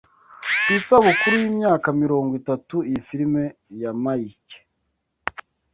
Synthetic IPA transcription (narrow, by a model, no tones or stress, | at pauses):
kisaβokuɾujiːmɲaːkamiɾo̞ːŋɡwitatuifiɾime̞jamaike̥